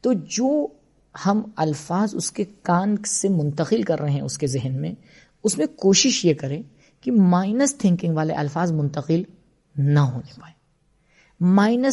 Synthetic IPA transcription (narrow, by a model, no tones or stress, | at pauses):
t̪oːd͡ʒoː | hɐmɐlfaːzʊ̰skekaːnsemʊ̃nt̪əqɪlkɐɾːɐɦeɦɛ̃ʊskezɪɦnmẽ | ʊsmẽkoːʃɪʃjekɐɾẽː | kimaːɪnəst̪ʰɪ̃ŋkɪ̃ŋɡʋaːlḛʔɐlfaːzmʊ̃nt̪əqɪl | nɐɦoːnepaːeː | maːɪnə